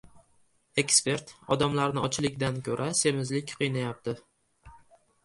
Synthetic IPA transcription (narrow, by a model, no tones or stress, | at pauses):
e̞kspe̞ɾt̪ɒ̰d̪amlaɾnɪɒt͡ʃʰɪlɪkʲd̪ankʰʲɵɾʔase̞mɪzlɪkʲqʰɨjnajap̚t̪ʰɪ